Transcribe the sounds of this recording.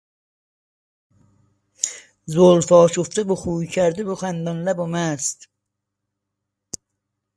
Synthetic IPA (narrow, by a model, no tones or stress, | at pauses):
zolfɒːʃuft̪ɪbuχuːjcʰæɾd̪ɪbuχænd̪ɑnlæbomæst̪